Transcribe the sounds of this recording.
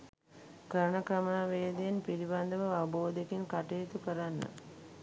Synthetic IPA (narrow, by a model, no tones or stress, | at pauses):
kəɾəɳəkɾɐmaːʋeːd̪ejenpiɾiband̪əʋəaʋboːd̪ekinkaʈejːt̪ukəɾanːə̰